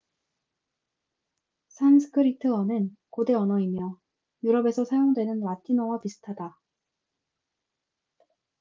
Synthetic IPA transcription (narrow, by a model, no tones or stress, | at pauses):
sʰansʰɯ̥kʰɯɾitʰɯʌnɯnkode̞ʌnʌimjʌ | juɾʌbe̞sʰʌsʰajoŋdwe̞nɯnwatʰinowapisʰɯ̥tʰada